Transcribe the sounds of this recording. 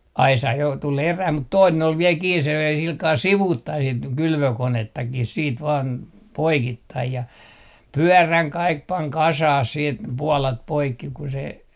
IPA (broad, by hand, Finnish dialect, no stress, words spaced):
ɑisɑ jo tul eræh mut toinen ol ʋiel kiːn se løi silkɑː siʋuːtːɑi sit kylʋøkonetːɑkih siːt ʋɑːn poikitːɑij jɑ pyæræŋ kɑik pɑŋ kɑsɑh siːt puɑlɑt poikːi ku se